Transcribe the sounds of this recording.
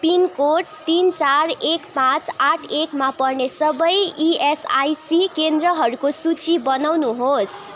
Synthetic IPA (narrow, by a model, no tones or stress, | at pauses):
pinkoʈ̚t̪int͡sarekpãt͡saʈʰekmapʌrnesʌbʌjiesa̰jsikend̪rʌɦʌɾukosut͡sibʌnawnuɦos